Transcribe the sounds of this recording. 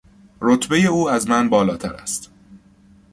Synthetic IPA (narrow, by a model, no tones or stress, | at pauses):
ɾot̪ʰbe̞je̞uːæzmænbɒːlɒːt̪ʰæ̰ɾæ̰st̪